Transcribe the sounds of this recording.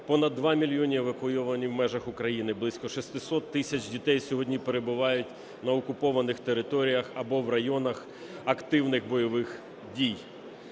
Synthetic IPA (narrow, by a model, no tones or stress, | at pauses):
pɔnɐd̪ːʋɑmʲilʲjɔnʲieʋɐkʊjɔʋɐnʲiwmɛʒɐxʊkɾɐjinɪblˠɪsʲkɔʃist̪ɪsɔt̪ːɪsʲɐt͡ʃdʲit̪ɛjsʲɔɦɔdʲnʲipeɾe̞bʊʋɑjʊtʲ | nɐɔkʊpɔʋɐnɪxt̪eɾɪt̪ɔɾʲijɐxɐbɔwrɐjɔnɐx | ɐkt̪ɪwnɪxbɔjɔʋɪx | dʲij